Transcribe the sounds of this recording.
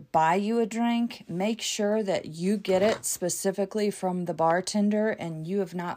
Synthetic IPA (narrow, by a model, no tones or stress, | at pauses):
b̥aɪjɨɨdɹɪ̃ŋkmeɪkʃʊɹðɨ̰t͡ʃɨɡɛɾɪtspɨsɪfɨklifɹʌ̃mðəbɑɹtʰɪ̃ndə˞ʔɨ̃njɨːvnə